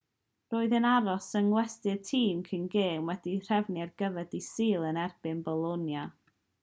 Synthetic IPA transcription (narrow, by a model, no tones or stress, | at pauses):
roːɨðənaɾɔsənwɛstɨdtʰiːmkʰɪnɡeːmwɛdir̥ɛvniarɡəvɛd̥isiːlˠənɛrb̥ɨnbɔlˠɔnja